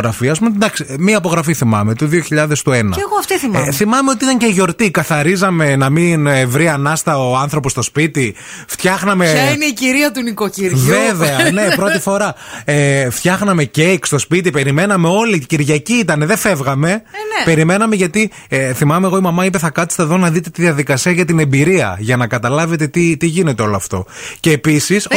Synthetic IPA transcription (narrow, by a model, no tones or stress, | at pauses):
ɣɾɐfiɐs̬pumend̪ɐksimiɐipoɣɾɐfiθimɐ̰me̞t̪uðioçiʎɐðe̞st̪uenɐ̰eɣoɐft̪iθimθimɐme̞o̞t̪iit̪ɐɲceiʝo̞ɾt̪ikɐθɐɾizɐme̞nɐminevɾiɐnɐst̪ɐoɐnθɾo̞po̞st̪o̞spit̪i | ft̪çɐxnɐmeɐineiciɾiɐt̪unikociɾvveveɐnepɾo̞t̪ifo̞ɾɐeft̪çɐxnɐme̞ce̞jkst̪o̞spit̪̬ipe̞ɾime̞nɐme̞o̞liciɾʝɐciit̪ɐne̞ðefe̞vɣɐme̞pe̞ɾime̞nɐme̞ʝɐt̪i | θimɐmeɣo̞imɐmɐip̬e̞θɐkɐt̪i̥st̪eðo̞nɐðit̪e̞t̪iðiɐðikɐsiɐʝɐt̪ine̞mbiɾiɐ̰ʝɐnɐkɐt̪ɐlɐve̞t̪e̞t̪it̪iʝine̞t̪eo̞loɐft̪o̞̰ce̞ːpisis